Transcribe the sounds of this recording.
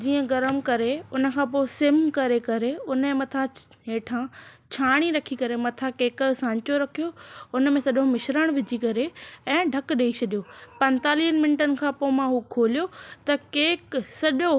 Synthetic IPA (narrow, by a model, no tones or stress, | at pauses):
d͡ʑiːə̃ɡɐɾəmkɐɾeʊnə̆kʰãːpoːɪsɪmkɐɾekɐɾeʊnmẽmɐt̪ʰa | ɦeːʈʰãːt͡ɕʰaːɽ̃iɾɐkʰikɐɾemɐt̪ʰãkeːksãːɲt͡ɕoɾɐkʰijoʊnəmẽsɐɗomɪʃɾəɽ̃ʋɪd͡ʑʱikɐɾeɛ̃ːɖʱɐkɗeit͡ɕʰɐɗijopɐ̃nt̪aːliːənmɪ̃ɳɪʈənɪ̆kʰãːpoːmãɦuːkʰoːlijot̪ɐkeːksɐʄo